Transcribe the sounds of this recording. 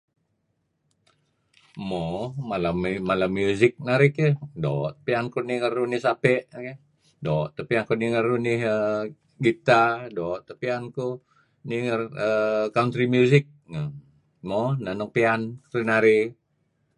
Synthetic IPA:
momalammalamjuzɪk̚naɾɪkədɔʔt̪piankuniŋərunihsapɛʔke | dɔʔt̪apiankuniŋərunihə | ɡit̪adɔʔt̪əpianku | niŋərəkaunt̪ɾimjuzɪk̚ŋə | monanəŋpiankɾunaɾi

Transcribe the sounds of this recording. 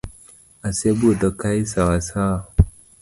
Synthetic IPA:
asebudakaisawasa

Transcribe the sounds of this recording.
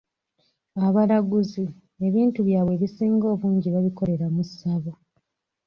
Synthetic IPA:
aβaɾaɡuzi | e̞βiːntuβjaːβwe̞ːβisiːŋɡo̞ːβuːɲɟiβaβiko̞ɾe̞ɾamusaβo

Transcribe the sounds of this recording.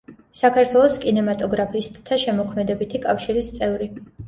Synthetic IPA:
sakʰaɾt̪ʰwɛlˠɔskʼinɛmat̪ʼɔɡɾapʰisd̪ʰaʃɛmɔkʰmɛd̪ɛbit̪ʰikʼafʃiɾist̪sʼɛvɾi

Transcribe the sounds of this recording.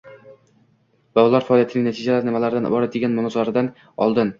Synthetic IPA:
b̥ɒwɒlˠɑɾfaɒlijat̪ʰnɪŋnt̪ʰid͡ʒalaɾɪnɪmalaɾɪd̪an̰bɒɾad̪eɡʲanmʊnɑzɒɾɪd̪an | ɒ̰lˠd̪ɪn

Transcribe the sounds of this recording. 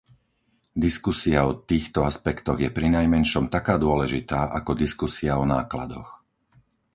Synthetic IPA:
d̪iskusiaɔt̪iːxt̪ɔaspɛkt̪ɔɣjɛpɾinajmɛnʃɔmt̪akaːd̪ʊɔlɛʒit̪aːʔakɔd̪iskusiaɔnaːkla̰d̪ɔ̰x

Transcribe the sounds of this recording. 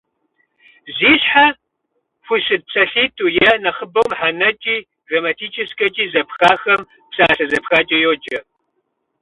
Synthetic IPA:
ziːɕħa | xʷusɨd̚pt͡sʰʼɐɬiːtʰʼuːjɛnɐχəbɐwmħanɐt͡ʃʼiː | ɡrɐmatʰiːt͡ʃʼʰɪskʼɐt͡ʃʼiːzɐpxaːxɐm | psaːɬɐzɐpxaːt͡ʃʼɪjoːt͡ʃʼɐ

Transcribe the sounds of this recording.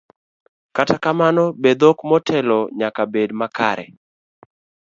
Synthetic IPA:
katakamanɔbed̪okmɔtʰɛlɔɲakabedmaka̰ɾɛ̰

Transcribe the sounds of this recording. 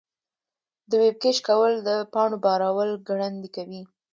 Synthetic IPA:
d̪əweb̚keʃkawəld̪əpɑɳobɑɾɑwəlɡɽand̪ikawi

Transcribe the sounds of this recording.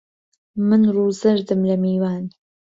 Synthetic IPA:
mɨnruːzɐɾd̪ɨmlɐmiːwaːn

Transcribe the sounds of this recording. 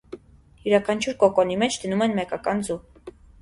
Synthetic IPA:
juɾɑkʰɑnt͡ʃʰuɾkɔkɔnimɛt͡ʃʰd̪ənumɛnmɛkɑkɑnd͡zu

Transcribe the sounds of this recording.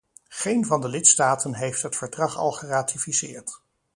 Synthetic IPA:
χejnvɑndəlɪtstaːtənɦejftɦətfəɹdrɑχɑ̰lˠχəraːtifisɪːɹt

